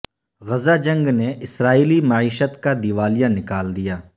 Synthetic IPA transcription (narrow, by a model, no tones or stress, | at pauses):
ɣɐzad͡ʒɐ̃ŋɡneʔɪsɾaːiːlimaʕiːʃət̪kad̪iʋaːlijãnɪkaːld̪ijaː